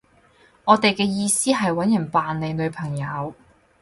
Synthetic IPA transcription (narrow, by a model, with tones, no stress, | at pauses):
ŋɔː˨˧t̪e˨jkɛː˧jiː˧siː˥ɦɐ˨jwɐ˨˥njɐ˨˩npaː˨nle˨˧jlɵ˨˧ɥpʰɐ˨˩ŋjɐ˨˧w